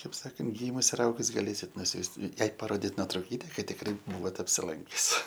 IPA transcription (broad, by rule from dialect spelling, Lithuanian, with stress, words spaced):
tɐɪp ˈsɑːkɐnt ˈɡʲiːmʊs ɪr ˈɐʊɡʊs ɡɐˈlʲeːsʲɪt nʊˈsʲuːst ˈjɛɪ pɐˈroːdʲɪt noːtrɐʊˈkʲiːtʲɛ kɐt tʲɪkˈrɐɪ ˈbuːʋoːt ɐpʲsʲɪˈlˠɐŋʲkʲʊs